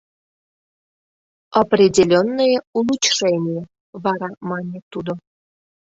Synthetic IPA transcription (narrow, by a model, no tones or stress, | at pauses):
ɑprʲidʲelʲonːəjeulˠut͡ɕʂenʲije | βɑɾɑmɑnʲet̪ud̪o